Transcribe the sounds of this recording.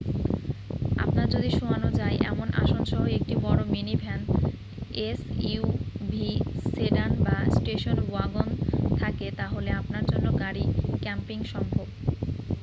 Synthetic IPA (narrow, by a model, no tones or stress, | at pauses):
a̰pnaɾd͡ʑod̪iʃuanod͡ʑajʔɛ̰monʔa̰ʃonʃɔɦoek̚ʈibɔɽominibʱɛn | esiubʱiseɖanbasʈeʃonuaɡont̪ʰaket̪aɦoleapnaɾd͡ʑonːoɡaɾikɛmpiŋʃɔŋbʱob